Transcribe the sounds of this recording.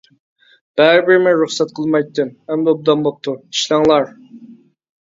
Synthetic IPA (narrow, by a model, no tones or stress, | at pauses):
b̥æɾbɪɾmɪɾuχsɛt̪̚qʰəlˠmɑjt̪ːɨmhɛmd̪ɛob̚d̪ɑmbop̚t̪ʰui̥ʃlɑŋlˠɑɾ